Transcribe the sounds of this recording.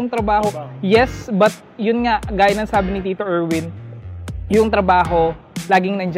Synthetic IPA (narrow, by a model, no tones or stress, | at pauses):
ʊŋt̪ɾɐbaːhojɛsbɐt̪̚jʊnŋaʔɡaːjɐnɐŋsaːbɪnɪt̪iːt̪oʔɛɹwɪn | jʊŋt̪ɾɐbaːɦo̞ | laːɡɪŋnɐnd͡ʒ